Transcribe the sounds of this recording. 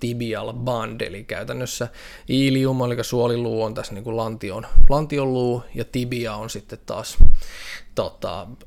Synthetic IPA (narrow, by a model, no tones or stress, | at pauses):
t̪ibiɑlbɑndḛlikæyt̪ænːøsːæ | iːliumɑlikɑsuoliluːont̪æsniːŋkulɑnt̪ionlɑnt̪iolluːjɑt̪ibiɑonsit̪ːet̪tɑ̰ːs | t̪ot̪ɑ̰